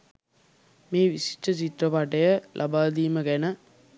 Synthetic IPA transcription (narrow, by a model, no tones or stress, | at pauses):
meːʋisi̥ʈːɐt͡ʃit̪ɾɐpaʈːɐjɐlʔɐ̰baːd̪iːmɐkɛnɐ